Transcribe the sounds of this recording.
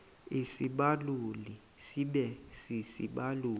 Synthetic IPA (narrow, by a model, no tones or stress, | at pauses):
isiɓaluli | siɓɛsisḭɓaluː